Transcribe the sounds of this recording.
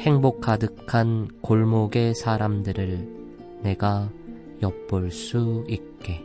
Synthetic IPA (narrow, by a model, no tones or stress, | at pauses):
he̞ŋbok͈̚ʰːadɯkʰankoɭmoɡe̞sʰaɾamdɯɾɯɭ | ne̞ɡa | jʌp̚p͈oɭs͈uit̚k͈e̞